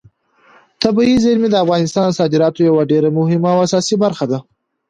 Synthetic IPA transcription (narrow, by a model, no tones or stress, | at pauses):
t̪abiizeɾmid̪əafɣɑnɪst̪ɑnsɑd̪ɪɾɑt̪ojawaɖeɾamʊɦɪmawasɑsibaɾxad̪a